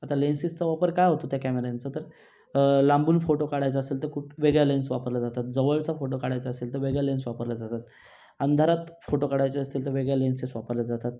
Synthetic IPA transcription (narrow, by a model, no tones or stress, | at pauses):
at̪alensist͡səʋapəɾkajɦot̪ot̪jakæmeɾant͡sət̪əɾ | lãmbuːnfoʈokaɽajt͡saəseːlt̪əɾkuʈʋeɡɭjalensʋapəɾlad͡zat̪at̪̚d͡zəʋəɭt͡safoʈokaɽajt͡saəselt̪əɾʋeɡɭjalensʋapəɾlad͡zat̪at̪ | ənd̪ʱaɾat̪foʈokaɽajt͡saəst̪iːlt̪əɾʋeɡɭjalensisʋapəɾljad͡zat̪at̪̚